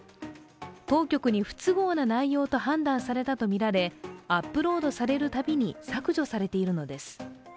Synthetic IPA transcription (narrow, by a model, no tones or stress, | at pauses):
t̪o̞ːkʲo̞kɯ̟ɲ̟iɸɯ̟̥t͡sɨɡo̞ːnanaijo̞ːt̪o̞ɦãnd̪ãɰ̃saɾe̞t̪at̪o̞mʲiɾaɾe̞apːɯ̟ɾo̞ːd̪o̞saɾe̞ɾɯ̟t̪abʲiɲ̟isakɯ̟ʑo̞saɾe̞t̪e̞iɾɯ̟no̞d̪e̞sɨ̥